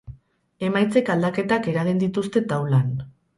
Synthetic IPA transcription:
e̞majt͡se̞kald̪ake̞t̪ake̞ɾaɣ̞ind̪it̪ust̪e̞t̪awlan

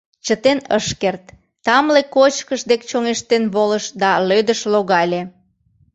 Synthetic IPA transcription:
t͡ɕət̪enəʃkert̪ː | ɑmlekot͡ɕkəʃd̪ekt͡ɕoŋeʃt̪enβoləʃd̪ɑlød̪əʃloɣɑlʲe

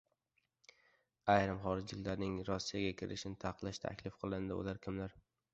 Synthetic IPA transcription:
ajɾɪmχɒɾɪd͡ʒlɪkʲlaɾnɪŋɾɒsːijaɡʲakʲʰɪɾɪ̰ʃɪnɪt̪ʰaqlˠaʃt̪ʰa̰kʲlɪfqʰɨlˠɪnd̪ɪʊ̰laɾkʲʰɪmlaɾ

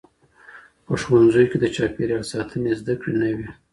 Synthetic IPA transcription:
pəʃwanzojked̪ət͡ʃɑpeɾjɑlsɑt̪ʰənezd̪akɽenəwi

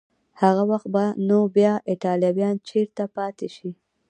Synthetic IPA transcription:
haɣawaxt̪̚banobjɑɪʈɑljɑwjɑnt͡ʃeɾt̪apɑt̪eʃi

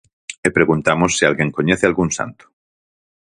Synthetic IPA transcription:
epɾe̞ɣunt̪amosːialɣje̞ŋkoɲeθealɣunsa̰nt̪u̥

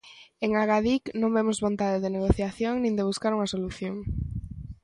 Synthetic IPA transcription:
eŋaɣaðiknõŋbemozβont̪aðeðeneɣ̞oθjaθjoŋnĩnd̪eβ̞uskaɾuŋɐsoluθjoŋ

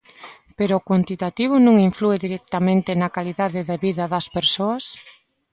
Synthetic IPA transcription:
peɾoːkwant̪it̪at̪iβ̞ʊnõŋiɱflueðiɾɛk̚t̪amẽnt̪ɪnɐkaliðaðɪðeβiðɐðɐspeɾsoɐs

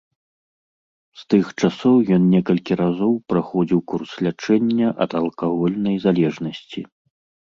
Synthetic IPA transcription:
st̪ɨxt͡ʂasɔwjɔnnʲɛkɐlʲkʲiɾazɔwpɾaxɔd͡zʲiwkurslʲat͡ʂɛnʲːɐʔɐt̪ɐlˠkavɔlʲnɐjzalʲɛʐnɐsʲt͡sʲḭ

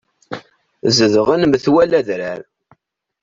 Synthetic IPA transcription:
zəðəʁænəmθwælæðɾaɾ

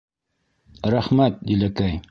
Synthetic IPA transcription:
ɾæχmæt̪̚d̪ilækæj

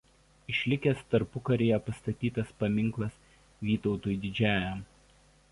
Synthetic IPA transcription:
ɪʃʲlʲɪkʲeːst̪ɐɾpʊkɐɾʲeːjɛpɐst̪ɐt̪ʲiːt̪ɐspɐmʲɪŋklˠɐs | ʋʲiːt̪ɒʊt̪uːjd̪ʲɪd͡ʒʲæːjɛm

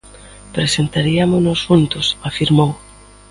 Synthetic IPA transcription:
pɾesent̪aɾiamʊnosfunt̪ʊsafiɾmow

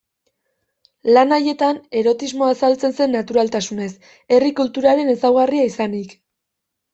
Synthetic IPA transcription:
lanaje̞t̪ane̞ɾo̞t̪izmo̞asalt͡se̞nse̞nːat̪uɾalt̪asune̞s | e̞rikult̪uɾaɾe̞ne̞sawɣariaisanik

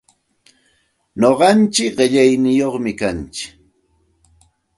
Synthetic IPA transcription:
noɢɑnt͡ʃɪkɢɪʎajnɪjoχmɪkant͡ʃɪ̥

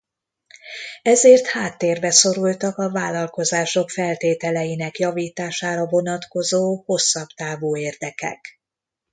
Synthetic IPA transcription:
ɛzeːrt̪haːt̪ːeːrbɛso̞ɾult̪ɒkɒvaːlːɒlko̞zaːʃo̞kfɛlt̪eːt̪ɛlɛjinɛkjɒviːt̪aːʃaːɾɒvo̞nɒt̪ko̞zoːho̞sːɒbt̪aːvuːeːrd̪ɛkɛ̰k

